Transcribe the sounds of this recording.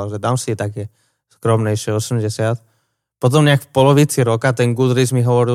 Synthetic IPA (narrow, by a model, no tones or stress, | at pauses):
alʒɛd̪aːmsit̪akɛ | skɾɔmɲɛjʃɪɛɔsɛmɟɛsɪat̪ | pɔt̪̬ɔmɲɛakfpɔlɔʋit͡siɾɔkat̪ɛnɡud̪ɾizmiɦɔʋɔɾi